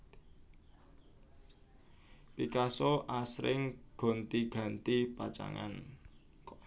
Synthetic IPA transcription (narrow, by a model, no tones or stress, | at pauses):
pikasɔʔasɾɪ̰ŋɡ̥ɔ̤nt̪iɡ̥ä̤nt̪ipat͡ʃa̰ŋa̰n